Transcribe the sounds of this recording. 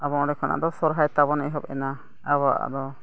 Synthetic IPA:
abɔɾɛkʰɔnʔa̰ʔd̪ɔsɔɾɦajt̪aβɔnɛɦɔbɛna | aβaʔa̰d̪ɔ

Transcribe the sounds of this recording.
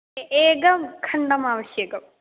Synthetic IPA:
eːɡɐmkʰɐɳɖɐmaːʋɐsjɐkɐm

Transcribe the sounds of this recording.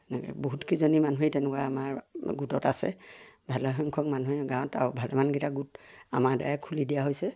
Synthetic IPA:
ɛnɛkɛ̰boɦutkizɔnimanuɦitɛnɛkwaamaɹɡutɔtasɛ̰bʱalɔɦɔŋkʰɔkmanuɦɛɡãw̃ɔta̰ɹbʱalɛmanɡitaɡuta̰maɹda̰ɹɛkʰulidijaɦojsɛ

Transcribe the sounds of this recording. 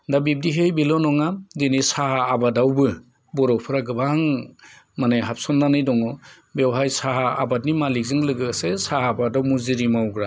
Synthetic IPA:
dabib̚diɦejbilɔnɔŋadinisahaːbadawbɯ | bɔɾɔpʰɯɾaɡɯbaŋ | manajɦap̚sɔnːanɯjdɔŋɔ | bewɦajsaɦaa̰bat̚nimalik̚zɯŋlɯɡɯsesahaːbadawmuziɾimawɡɾa

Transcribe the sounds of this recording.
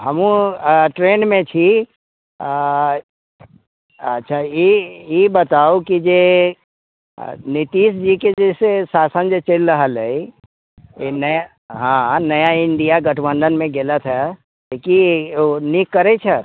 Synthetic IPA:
ɦəmũʈɾeːnmẽt͡ʃʰi | ətːʃʰajejebət̪aokid͡ʒe | nit̪iːsd͡ʒiked͡ʒesesaːsənd͡ʒet͡ʃelɾəɦələi | enəja | ɦãnəjaɪɳɖijaɡəʈʰbə̃nd̪ənmẽɡelət̪ʰɦɛ | lekinikːəɾet͡ʃʰɛ

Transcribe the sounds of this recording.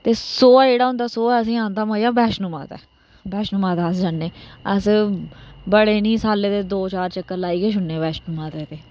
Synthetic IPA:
t̪eːsoːeːɽaːɦʊ̃nd̪aːsoːɛːəs̬ĩːaːnd̪aːmaːijaːbɛːʃnũːma̰ːt̪ɛ̰ː | bɛːʃnuːmaːt̪aːsd͡ʒaːnːeːəs | bəɽeːnĩːsaːlːeːt̪eːd̪oːt͡ʃaːɾt͡ʃəkːəɾlaːiːɡeːʃ̬ʰʊnːeːbɛːʃnuːmaːt̪eːt̪eː

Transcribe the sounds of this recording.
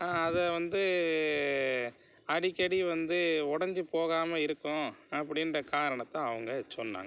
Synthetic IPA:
aːɐðɐʋɐnd̪ɯ | ɐɽɪkːɐɽiʋɐnd̪ɯɔɽɐɲd͡ʒɯpoːɣaːmɐɪɾɯkːʊ̃ɐpːɐɽɪnrɐkaːɾɐɳɐt̪ːãːɐʋɐŋɡɐsɔnːa̰ːŋɡɐ

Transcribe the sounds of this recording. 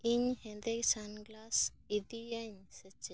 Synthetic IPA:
iɲhendeksanɡlas | idijaɲset͡ʃe

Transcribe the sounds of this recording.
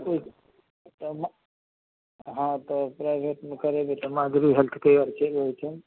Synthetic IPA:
oi | t̪ɔm | ɦãt̪ɔpɾajbʱeʈmekəɾebet̪ɔmaɡɾiɦelt̪ʰkəəɾt͡ʃʰeboit͡ʃʰen

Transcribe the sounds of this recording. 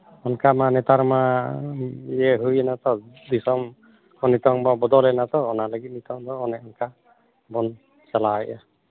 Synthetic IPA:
ɔnkamanɛt̪aɾma | jɛɦujɛnat̪ɔ | d̪isɔm | kʰɔnit̪ɔŋbabɔd̪ɔlɛnat̪ɔːnaləɡit̪̚nit̪ɔŋd̪ɔːnɛɔnka | bɔn | t͡ʃalaajʔa

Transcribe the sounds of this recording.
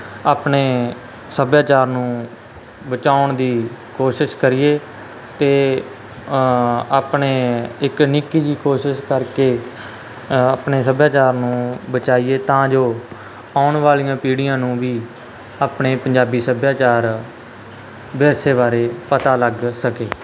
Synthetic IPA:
aːpɳeː | səbjaːt͡ʃaːɾnũː | bət͡ʃaːʊɳd̪iːkoːʃɪʃkəɾiːeː | t̪eː | aːpɳeːɪknɪkːiːd͡ʒ̪iːkoːʃɪʃkəɾkeː | aːpneːsəbjaːt͡ʃaːɾnũːbət͡ʃaːieːt̪ãːd͡ʒoː | aːʊɳʋaːlijãːpiːɽɪjãːnũːʋiː | aːpɳeːpəɲd͡ʒaːbiːsəbjaːt͡ʃaːɾ | bɛːseːbaːɾeːpət̪aːləɡsəkeː

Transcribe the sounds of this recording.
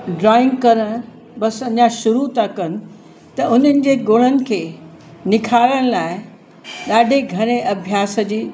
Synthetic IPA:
ɖɾɔːɪ̃ŋɡkɐɾəɽ̃ | bɐsɐɲaʃʊɾut̪akɐnɪ̆ | t̪ɐʔʊn̤ənɪ̆d͡ʑeːɡoːɽ̃ənɪ̆kʰeː | nɪkʰaːləɽ̃laːɪ | ɗaːɖʱeɡʱɐɾ̃eʔɐbʱjaːsə̆d͡ʑiː

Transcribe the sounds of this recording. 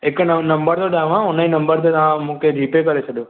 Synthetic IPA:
eknnəmbəɾt̪ʰoɗaːʋãʊnaĩnə̃mbəɾt̪ʰet̪əʋãmũked͡ʒʱiːpekəɾet͡ʃʰəɗjõ

